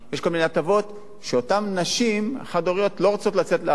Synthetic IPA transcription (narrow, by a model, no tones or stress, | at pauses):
jeʃkomineatavo̞t | ʃeotamnaʃimχadoʁijo̞tlo̞ʁot͡so̞tlat͡setle